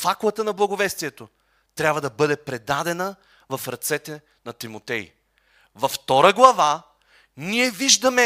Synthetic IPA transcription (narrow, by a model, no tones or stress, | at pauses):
faklˠət̪ənɐblˠɐɡʊvɛst̪iɛt̪o | t̪ɾʲabvɐd̪ɐbɤd̪ɛpɾɛd̪ad̪ɛnə | vɐfɾɐt̪sɛt̪ɛ | nɐt̪imot̪ɛj | vɐft̪ɔɾəɡlˠɐva | niɛviʒd̪ɐmɛ